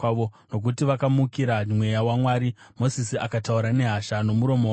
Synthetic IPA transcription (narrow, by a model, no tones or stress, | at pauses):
ono̞k̬utiʋakamukiɾamwe̞jawamwaːɾimo̞sisiakatauɾane̞ɦaʃano̞muɾo̞mo